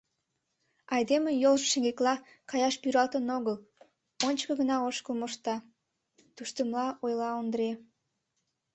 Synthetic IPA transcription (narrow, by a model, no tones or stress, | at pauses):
ɑjd̪emejolʒəʃeŋɡeklɑ | kɑjɑʃpyɾɑlt̪ənoɣəl | onʲt͡ɕkəɡənɑoʃkəlmoʃt̪ɑ | t̪uʃt̪əmlɑojlɑond̪əɾe